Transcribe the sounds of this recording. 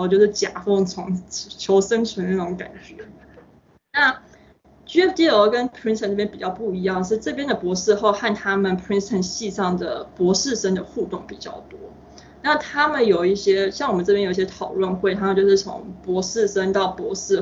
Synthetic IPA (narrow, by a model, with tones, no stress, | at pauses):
t͡ɕjo˥˧ʊʂɻ̩˥˩t͡ɕja̰˨˩fo˥˩ŋt͡sʰʊ˧˥ŋt͡ɕʰjo˧˥ʊʂə˥nt͡ɕʰɥɛ˧˥nna˥˩ʈ͡ʂʊ˧˥ŋka̰˨˩nt͡ɕɥɛ˧˥ | na˥˩ | t͡ɕy˥ɛ˥fd̪i˥ə˧˥kə˥npʰɹi˥nst̪ʰə˨˩nʈ͡ʂjɛ˥pi˨˩t͡ɕjɑ˥˧ʊpu˥˩i˧˥jɑ˥˧ŋʂ̬ɻ̩˥˧ʈ͡ʂɤ˥˩p̬jɛ˥nd̪ə˨pwɔ˧˥ʂɻ̩˥˧xo˥˧ʊxa˥˩nt̪ʰa˥mə˨npʰi˥nst̪ʰə˨˩nɕi˥˧ʂɑ˥˩ŋd̪ə̰˩pwɔ˧˥ʂɻ̩˥˧ʂə˥ŋd̪ə˨xu˥˧t̪ʊ˥˩ŋpi˨˩t͡ɕjɑ̰˥˩ʊt̪wɔ˥ | na˥˩t̪ʰa˥mə˨njo˨˩ʊi˥˩ɕjɛ˥ɕjɑ˥˩ŋwɔ˨˩mə˦t͡sʈ͡ʂɤ˥˩jjo˨˩˧i˩jʲɛ˥t̪ʰɑ˨˩ʊlwə˥˧nxwe˥˩ɪt̪ʰa˥mə˨nt͡ɕjʊʂɻ̩˥˩t͡sʰʊ̰˧˥ŋpwɔ˧˥ʂɻ̩˥˩ʂə˥nt̪ɑ˥˩ʊpwɔ˧˥ʂɻ̩˥˩